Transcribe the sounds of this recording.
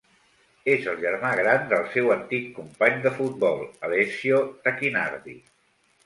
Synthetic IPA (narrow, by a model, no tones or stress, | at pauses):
ezəlˠʒəɾmaɣɾand̪əlˠsɛwənt̪ikːumpaɲd̪əfut̪̚bɔlˠəlɛsiot̪əkina̰ɾðḭ